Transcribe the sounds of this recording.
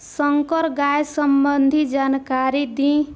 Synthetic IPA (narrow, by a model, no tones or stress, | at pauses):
sʌŋkʌɾɡajsʌmbʌnd̪ʱid͡ʒankaɾid̪ĩ